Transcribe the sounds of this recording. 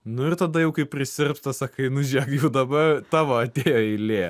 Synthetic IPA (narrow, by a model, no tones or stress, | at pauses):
nʊɪrt̪ɐd̪ɐjɛʊkɐɪppʲːɾʲɪsʲɪrpst̪ɐsɐkɐɪnʊʒʲiɛkjɛʊd̪ɐbɐt̪ɑːʋɐɐt̪ʲeːjoːɛɪlʲeː